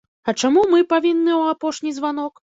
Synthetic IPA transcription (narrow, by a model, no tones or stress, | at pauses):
ɐt͡ʂamumɨpavʲinːɨwapɔʂnʲizvanɔk